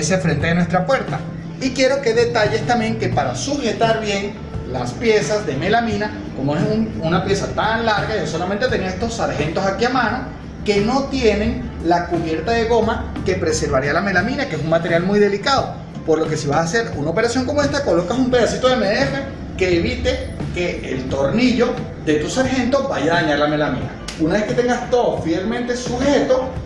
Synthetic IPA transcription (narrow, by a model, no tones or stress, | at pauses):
se̞fɾe̞nt̪eenwe̞st̪ɾapweɾt̪a | ikje̞ɾo̞ke̞ðe̞t̪aʝe̞st̪ambje̞ŋke̞paɾasuxe̞t̪aɾβje̞ŋ | laspje̞sazðe̞me̞lamĩna | ko̞moesununapje̞sat̪anlaɾɣaoso̞lament̪e̞t̪e̞niae̞st̪o̞sːaɾxe̞nt̪o̞sakiamano | ke̞no̞t̪je̞ne̞ŋlakuβje̞ɾt̪aðe̞ɣo̞make̞pɾe̞se̞ɾβaɾialame̞lamĩnakes̬uŋmat̪e̞ɾjalmujðe̞likaðo̞ | po̞ɾloke̞siβasːse̞ɾunaope̞ɾasjo̞ŋko̞moe̞st̪ako̞lo̞kasumpe̞ð̞asit̪o̞ðemeðere | ke̞ːβit̪e̞ke̞ḛlt̪o̞ɾniʝo̞ | ðe̞t̪usaɾxe̞nt̪o̞baʝaaɲaɾlame̞lamḭ̃na̰ | unaβe̞ske̞t̪e̞ŋɡast̪oðofielmẽ̞nt̪e̞suhe̞t̪o̞